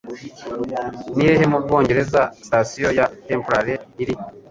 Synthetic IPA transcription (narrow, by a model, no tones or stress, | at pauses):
nijeɦemub̚ɡo̞ːɲɟe̞ɾe̞zastasijo̞jateːmpoɾaɾeiɾi